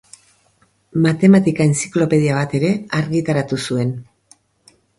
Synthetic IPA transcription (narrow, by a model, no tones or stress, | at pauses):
mat̪e̞mat̪ikaensi̥klo̞pe̞ð̞iaβ̞at̪e̞ɾe̞aɾɣit̪aɾat̪usue̞n